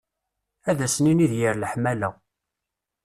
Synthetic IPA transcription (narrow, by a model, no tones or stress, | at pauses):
æðæsniniðjəɾləħmælæ